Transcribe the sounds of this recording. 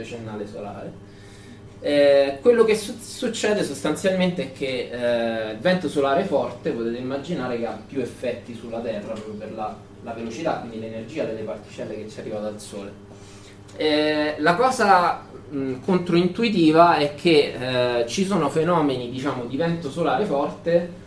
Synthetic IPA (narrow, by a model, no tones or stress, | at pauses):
t͡ʃenːaːlesola̰ːɾe | kwelːokesusut͡ʃːɛːd̪esost̪ant̪sjalment̪eɛkʰːe | ilvɛnt̪osolaːɾefɔrt̪epot̪eːt̪eimːad͡ʒinaːɾekeapːjuefːɛt̪ːisulːat̪ɛrːapɾɔpjoperla | lavelot͡ʃit̪akwind̪ilenerd͡ʒiːad̪elːepart̪i̥t͡ʃɛlːeket͡ʃːɛarːivaalsoːle | ɛlakɔːza | kont̪ɾoint̪uit̪iːvaɛkʰːe | t͡ʃisoːnofenɔːmenid̪it͡ʃaːmod̪ivɛnt̪osolaːɾefɔrt̪e